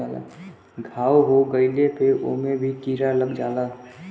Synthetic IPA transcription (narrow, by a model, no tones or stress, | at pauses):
aːla̰ | ɡʱaːwɦoɡəɪlepeʔo̰mẽbʱikiːɾaləɡd͡ʒaːla